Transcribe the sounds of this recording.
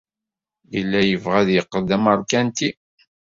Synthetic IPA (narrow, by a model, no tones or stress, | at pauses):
jəlːæjəvʁæðjəqːəd̪æməɾˤkænt̪i